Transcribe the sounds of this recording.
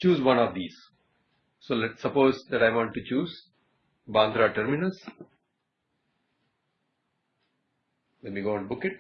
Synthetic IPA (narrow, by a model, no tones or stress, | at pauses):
t͡ʃuːzʋʌ̃nɔʋd̪iːz | soːlɛʈsʌpoːzd̪ɛʈaɪʋɔ̃ːɳʈːut͡ʃuːz | bãːnd̪ɾaʈəɾmɪnəls | lɛnmiːɡoːə̃nbʊkɪʈ̚